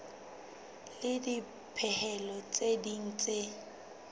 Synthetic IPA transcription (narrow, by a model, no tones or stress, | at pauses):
lɪdi | pʰɛhɛlɔt͡sʼedin̩t͡sʼe